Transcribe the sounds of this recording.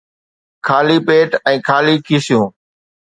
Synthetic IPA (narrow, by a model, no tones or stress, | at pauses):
kʰaːliːpeːʈɛ̃ːkʰaːliːkʰiːsɪjõː